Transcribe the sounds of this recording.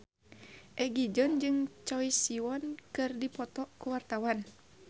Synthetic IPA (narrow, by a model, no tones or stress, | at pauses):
ʔɛɡid͡ʒɔnd͡ʒɨŋt͡ʃɔisiwɔnkɨrdipɔt̪ɔʔkuwart̪awan